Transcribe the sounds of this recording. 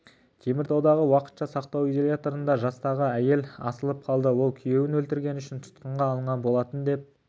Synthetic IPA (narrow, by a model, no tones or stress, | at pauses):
kʲʰe̞mɪɾt̪ʰɑwd̪ɑʁəwɑqə̥t̪ʃɑsɑqt̪ɑwijzolʲjat̪oɾənd̪ɑʒɑst̪ɑʁəæje̞lɑ̰səlˠəp̚qʰɑlˠd̪əwo̞lˠkʲʰʏje̞wɪnwɵlt̪ɪɾɡʲe̞nʏʃɪnt̪ʰʊ̥t̪qəɴʁɑːlˠəɴʁɑnbo̞lˠɑt̪ənd̪e̞p̚